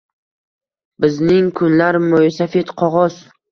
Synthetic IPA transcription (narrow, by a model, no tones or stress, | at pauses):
bɪznɪŋkʰʊnlaɾmojsafet̪qʰɒʁɒz̥